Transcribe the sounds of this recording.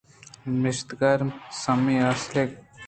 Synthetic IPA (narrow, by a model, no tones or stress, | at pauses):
mɪʃt̪ɡaɾsɐmiaslek